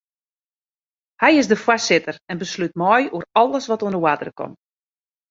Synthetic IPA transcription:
hɛjɪsdəfwasɪtərɛnbəslyt̚mɔjuərɔlˠəsʋɔtuəndəwadərəkɔ̰m

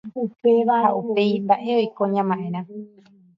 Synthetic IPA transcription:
upeβaʔaupeimbaʔeoikoɲãmãʔẽɾ̃ã

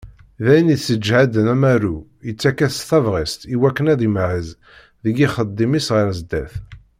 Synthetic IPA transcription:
ðæjəniθsəd͡ʒhad̪ənæmæɾu | jət͡sːækːæθθɑvʁist̪iwækːənæðimʕəz | ðəɡiχəd̪ˤːimisʁəɾzd̪æθ

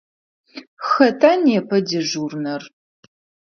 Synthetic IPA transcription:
xɐtʰaːnɛpʰɐdɪʒuːrnɐr

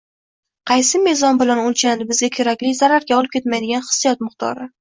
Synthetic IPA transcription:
qʰɑjsɪmɪzɒnbɪlanolˠt͡ʃʰannɪbɪzɡʲakʲʰeɾakʲlɪzaɾaɾɡʲaɒlˠɪp̚kʲʰe̞t̪majd̪ɪɡʲanχɨ̥sːijɒt̪̚mʊqt̪ʰɒ̰ɾɪ

